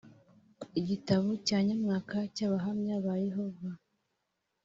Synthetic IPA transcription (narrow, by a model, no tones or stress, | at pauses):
iɟitaβocaːɲamŋaːkacaβaɦamɲaβajeɦo̞va